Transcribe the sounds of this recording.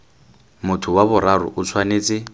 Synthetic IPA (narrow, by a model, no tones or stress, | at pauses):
mʊtʰʊwabʊɾaɾʊ̰ʔʊt͡sʰwaneːt͡sʼɪ